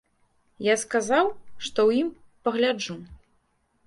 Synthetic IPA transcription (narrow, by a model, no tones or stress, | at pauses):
jaskazawʂt̪ɔwjim | pɐɣlʲad͡ʐu